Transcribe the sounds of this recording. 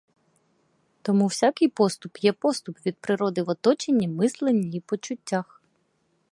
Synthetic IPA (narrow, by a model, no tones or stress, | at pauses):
t̪ɔmuwsʲakɪjpɔst̪ʊpjɛpɔst̪ʊpʋʲid̪̚pɾɪɾɔd̪ɪʋɔt̪ɔt͡ʃenʲːimɪslˠenʲiipɔt͡ʃʊtʲːax